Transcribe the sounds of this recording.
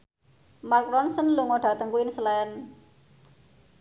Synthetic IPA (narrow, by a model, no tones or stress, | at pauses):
markɾɔnsənluŋɔɖ̥ä̤t̪əŋkuinsəlaən